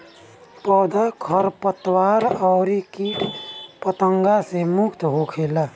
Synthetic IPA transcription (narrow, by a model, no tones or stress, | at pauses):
pɔːd̪akʰəɾpət̪waːɾɔːɾikipət̪ə̃ŋɡasemʊkt̪ɦokʰeːlaː